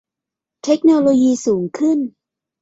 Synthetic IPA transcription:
t̪ʰe˦˥k̚noː˧loː˧jiː˧suː˩˦ŋkʰɯ˥˩n

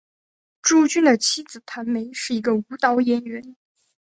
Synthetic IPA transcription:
ʈ͡ʂu˥˧t͡ɕy˥nd̪ə˨˩t͡ɕʰi˥d͡zɹ̩˨˩t̪ʰa˧˥nme˧˥ɪʂɻ̩˥˩i˧˥ɡə˧u˧˥t̪ɑ˧˥ʊjɛ˧˥nɥɛ˧˥n

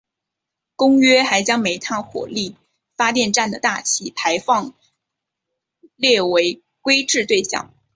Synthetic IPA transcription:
kʊ˥ŋɥɛ˥xa˧˥ɪt͡ɕjɑ˥ŋme˧˥ɪt̪ʰa˥xwɔ̰˨˩li˥˩ | fa˥t̪jɛ˥˧nʈ͡ʂa˥˩nd̪ə˩t̪a˥˩t͡ɕʰi˥˩pʰa˧˥ɪfɑ˥˧ŋ | ljɛ˥˩we˧˥ɪ | kwe˥ɪʈ͡ʂɻ̩˥˧t̪we˥˧ɪɕjɑ̰˥˩ŋ

